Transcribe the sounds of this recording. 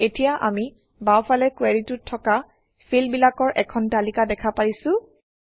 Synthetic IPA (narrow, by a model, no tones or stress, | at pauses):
etijaʔami | bawpʰalɛkweɹitutʰːɔka | fʰilbilakɔɹʔɛkʰɔntalikadɛkʰapaɹisʊ̃